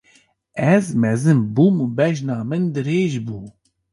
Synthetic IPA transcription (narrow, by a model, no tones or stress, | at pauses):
ɛzmɛzɨmbumubɛʒnɑːmɨnd̪ɨɾeːʒbuː